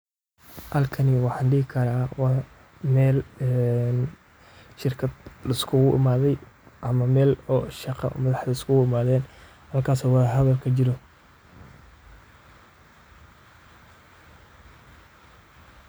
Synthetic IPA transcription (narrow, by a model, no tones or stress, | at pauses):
hɐlkʰɐnɪwɑħɑːnɖɪhɪkʰɐɾaːwɑ | mɛːlɛn | ʃɪrkʰɐd̪lɐɪskʰʊɣʊʔɪ̰maːðɛjʔɐmɐmɛːlɔʃɑqɑ̰mɐðɑħðɐɪskʰʊɣʊɪmaːðɛːn | hɐlkʰaːsɔːwɑðɦɐðɐlkʰɐt͡ʃɪɾɔ